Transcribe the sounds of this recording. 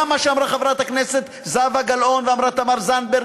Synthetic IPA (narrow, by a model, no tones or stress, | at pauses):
maʃeamʁaχavʁat̪hakneset̪ | zavaɡalo̞nveamʁat̪amaʁzanbeʁ